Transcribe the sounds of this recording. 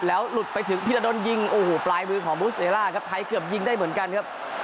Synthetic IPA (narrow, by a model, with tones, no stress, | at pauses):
lɛː˦˥wlu˨˩t̪̚pa˧jt̪ʰɯ˨˩˦ŋpʰi˧t̪a˧do˧nji˧ŋʔoː˧˩hoː˨˩plaː˧jmɯː˧kʰɔː˩˦ŋbuː˦˥s̚ʔeː˨˧laː˥˩kʰa˦˥p̚t̪ʰa˧jkɯ˨˩əp̚ji˧ŋda˥˩jmɯ˩˦ənka˧nkʰa˦˥p̚